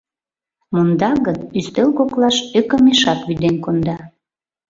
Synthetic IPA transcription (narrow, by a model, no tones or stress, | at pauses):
mond̪ɑɣənyst̪elɣoklɑʃøkəmeʃɑkβyd̪enkond̪ɑ